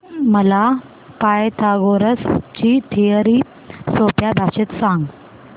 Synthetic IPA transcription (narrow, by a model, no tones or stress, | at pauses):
məla | pajt̪ʰaɡoɾəst͡ɕiːt̪ʰijəɾiː | sopjabʱaɕet̪sãŋɡ